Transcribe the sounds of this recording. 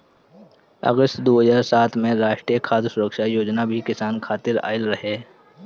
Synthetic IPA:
ə̰ɡəst̪d̪oːɦəzaːɾsaːt̪ʰmẽɾaːʃʈɾijəkʰaːd̪sʊɾəkʃaːjoːd͡ʒnabʱikɪsaːnkʰaːt̪ɪɾa̰ːɪlɾəɦeː

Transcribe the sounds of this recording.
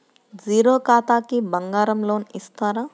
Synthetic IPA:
d͡ʒiːɾoːkaːt̪aːkibɐŋɡaːɾɐmloːnist̪aːɾaː

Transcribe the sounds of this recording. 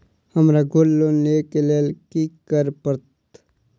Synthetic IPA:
həmɾaɡʱolːoneːkeleːlkikəɾpəɾt̪

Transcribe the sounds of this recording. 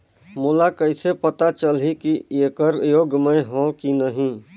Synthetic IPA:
mulakəɪsepət̪at͡ʃəlɦikieːkəɾjoːɡmə̃ɦõkinəɦĩ

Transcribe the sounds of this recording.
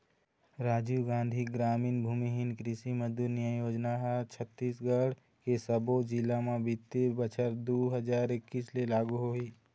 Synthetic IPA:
ɾaːd͡ʒuːɡãːn̆d̪ʱiɡɾaːmiːnbʱuːmiɦɪnkɾɪsiməd̪uɾnjəjoːd͡ʒnaɦt͡ʃʰət̪ːiːsɡəɽ | kesəbod͡ʒilamãbit̪ːebət͡ʃʰəɾd̪oːɦəd͡ʒaːɾɪkːiːslelaːɡuɦoiː

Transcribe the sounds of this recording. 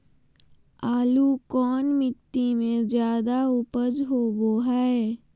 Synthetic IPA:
aːlukɔːnmɪt̪ːimẽzjaːd̪aʊpəd͡ʒɦoboːɦaɛ

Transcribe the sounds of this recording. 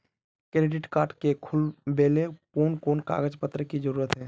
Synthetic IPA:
kɾeɖɪʈkaːɾʈkekʰʊlbeːlepuːnkoːnka̰ːɡəd͡ʒpət̪ɾəkid͡ʒəɾuːɾət̪ɦɛː

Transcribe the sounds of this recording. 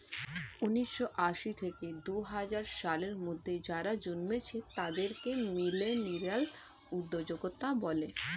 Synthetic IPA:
uniʃːoʔaʃit̪ʰeked̪uɦad͡ʑaɾʃaleɾmod̪ʱːed͡ʑaɾad͡ʑonmet͡ɕʰet̪ad̪eɾkemileniɾal | ud̪ːod͡ʑoɡot̪abɔle

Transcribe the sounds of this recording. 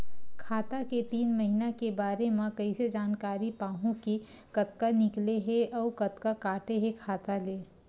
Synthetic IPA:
kʰaːt̪aket̪iːnmɐɦinakebaːɾemẽkɐised͡ʒaːnkaːɾipaːɦũki | kɐt̪kanɪkleɦeɔːkɐt̪kakaːʈeɦekʰaːt̪aleː

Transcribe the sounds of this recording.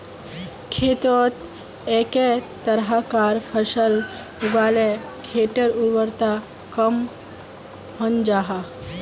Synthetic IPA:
kʰet̪ɔt̪ | ɛket̪əɾɦakaɾpʰəsəl | ubalekʰeʈəɾuɾwəɾt̪a | kəm | hənd͡ʒaːɦa

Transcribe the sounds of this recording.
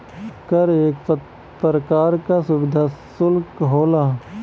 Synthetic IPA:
kəɾeːkp | pɾəkaːɾkasʊʋɪd̪ʱasʊlkɦoːlaː

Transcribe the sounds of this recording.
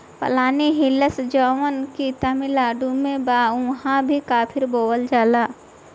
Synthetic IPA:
pə̰laːniɦiləsd͡ʒɔːʋənkit̪əmilaːɖumẽbaːʊ̃ɦãbʱikaːpʰɪɾboːwəld͡ʒaːlaː

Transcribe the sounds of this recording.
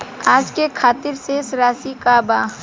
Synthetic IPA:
aːd͡ʒkekʰaːt̪ɪɾsesɾaːsikabaː

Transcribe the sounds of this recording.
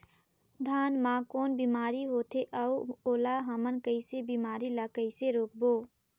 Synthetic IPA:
d̪ʱaːnmãːkoːnbiːmaːɾiɦoːt̪ʰeʔəuoːlaɦəmənkəɪsebiːmaːɾilakəɪseɾoːk̚boː

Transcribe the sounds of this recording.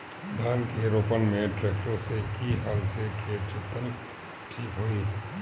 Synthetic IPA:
d̪ʱaːnkeɾoːpənmẽʈɾɛːk̚ʈəɾsekiɦaːlsekʰeːt͡ʃɪt̪ːən | ʈʰiːkɦoiː

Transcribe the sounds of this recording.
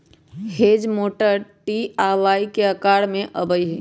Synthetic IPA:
hed͡ʒmoʈəɾʈiaʋaikeəkaːɽmẽʔəbəjɦɛ

